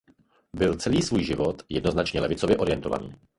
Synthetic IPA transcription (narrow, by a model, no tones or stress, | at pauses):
bɪlt͡sɛliːsvuːjʒɪvot̪jɛdno̞znat͡ʃɲɛlɛvɪt͡sovjɛʔoɾɪjɛnt̪ova̰nḭː